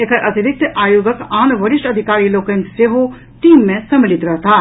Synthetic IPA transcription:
ekəɾʔɐt̪ʰiɾɪk̚t̪ʔaːjoːɡəkaːnʋɐɾɪʃʈɐd̪ʱikaːɾiloːkə̃nt̪seɦo | ʈiːmːẽsɐmːɪlɪt̪ɾɐɦt̪ʰaː

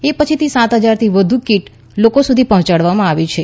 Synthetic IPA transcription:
epət͡ʃʰit̪isãt̪ɦəd͡ʒaɾt̪ʰiʋəd̪ʱukiʈ | lokosud̪ʱipəɦɔ̃t͡ʃaɽʋamãaʋit͡ʃʰe

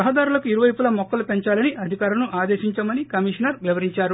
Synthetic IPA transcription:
ɐɦɐd̪aːɾulɐkuiɾuʋɐjpulɐmɔkːɐlupeɲt͡ʃaːlɐniʔɐd̪ʱikaːɾɐnuʔaːd̪eːʃiɲt͡ʃɐmɐnikɐmiʂɐnɐɾʋjɐʋɐɾiɲt͡ʃaːɾu

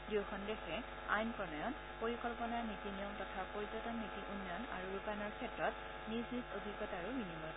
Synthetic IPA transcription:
diwxɔndexɛ | a̰jnpɔnɔjɔn | poɹikɔlpɔnaɹnitinijɔmtɔtʰapoɹizɔtɔnːitiʔunːjɔna̰ɹuɹupanɔɹkʰɛtɹɔt | niznisodʱiɡɔtaɹuminimɔl

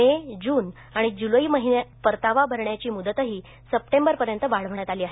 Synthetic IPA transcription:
ed͡ʑuːn | aɽ̃id͡ʑuləiːməɦinepəɾt̪aʋabʱəɾɳjat͡ɕiːmud̪ət̪əɦiː | səp̚ʈembəɾpəɾjənt̪əʋaɭ̤əʋəɳjat̪aliːaɦe

